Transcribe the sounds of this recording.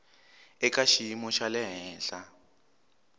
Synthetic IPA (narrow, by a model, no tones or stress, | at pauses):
ɛkaʃiimɔʃalɛɦɛːɬa